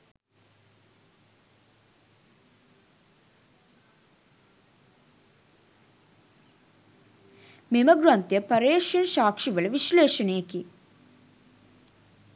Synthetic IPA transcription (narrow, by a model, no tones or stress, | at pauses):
memɐɡɾant̪jɐpɐɾeːʂɐnʃaːkʂiʋɐɭɐʋiʃleːʂɐnekːi